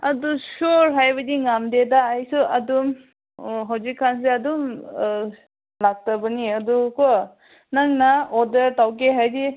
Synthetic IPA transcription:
ɐdusoɾɦajbɐdiŋamdedaːjsuɐdum | ɦawzikʰːans̬eɐdum | lak̚tɐbɐniɐduko | naŋnaɔdɐɾtawk̬eɦajdi

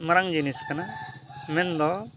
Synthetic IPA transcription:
mɐɾaŋd͡ʒiniskɐnamɛnd̪ɔ

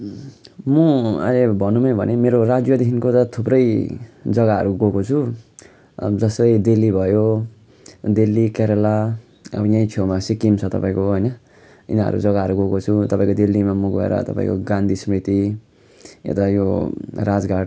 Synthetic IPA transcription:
mũʌ̰lebʱʌnumʌjbʱʌnemeɾoɾad͡zjʌd̪iɦinkot̪ʌt̪ʰuprʌjd͡zʌɡaɦʌ̰ɾuɡokot͡sʰu | d͡zʌsʌid̪elːibʱʌjo | d̪elːikaɾʌla | ʌ̰bʌjãj̃t͡sʰomasikimt͡sʰʌt̪ʌpaĩkoɦʌjnʌ | ḭnaɦʌ̰ɾṵd͡zʌɡaɦʌɾuɡokot͡sʰut̪ʌpaĩkod̪elːimamũɡoḛɾʌ̰t̪ʌ̰pã̰ḭ̃ko̰ɡãnd̪isʌmit̪i | jo̰t̪ajoɾad͡zɡaɽ

